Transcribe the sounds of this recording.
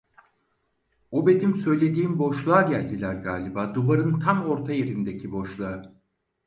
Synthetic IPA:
obe̞d̪imsø̞jlʲe̞d̪iːmbo̞ʃlˠaːɟælʲd̪ilʲæɾɡaːlʲibaːd̪uβaɾɯnt̪ʰamo̞ɾt̪ʰajeɾind̪e̞cʰibo̞ʃlˠaɯ

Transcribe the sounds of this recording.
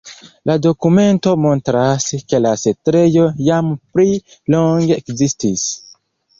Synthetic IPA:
lado̞kume̞nto̞mo̞ntɾaske̞lasetɾe̞jo̞jampli | lo̞ŋɡeːkzistis

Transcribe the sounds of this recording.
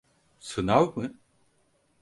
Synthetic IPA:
sɨnawmɯ

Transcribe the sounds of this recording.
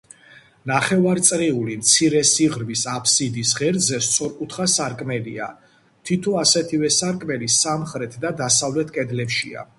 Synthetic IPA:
naχɛvaɾt̪sʼɾiulimt̪sʰiɾɛsiʁɾmisapʰsid̪isʁɛɾd̪zɛst̪sʰɔɾkʼut̪ʰχasaɾkʼmɛlḭa̰ | t̪ʰit̪ʰɔasɛt̪ʰivɛsaɾkʼmɛlisamχɾɛt̪ʰd̪ad̪asavlɛt̪ʰkʼɛd̪lɛpʃḭa̰

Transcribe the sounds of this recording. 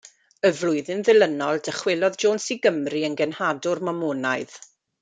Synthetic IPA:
əvlˠʊɨðɪnðɪlˠənɔlˠdəχwɪlˠɔðd͡ʒoːnsiɡəmriənɡɛnhadʊrmɔmunaɨð

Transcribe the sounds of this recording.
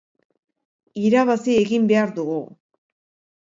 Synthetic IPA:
iɾaβasie̞ɣimbe̞aɾðuɣu

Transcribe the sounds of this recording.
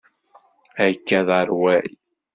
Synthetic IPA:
ækːæðəɾwæj

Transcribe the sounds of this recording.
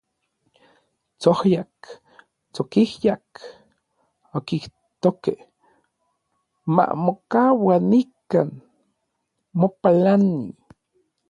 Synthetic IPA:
t͡sohjak | t͡sokihjak | okih | t̪okeh | ma̰mokawanikan | mopalanḭ

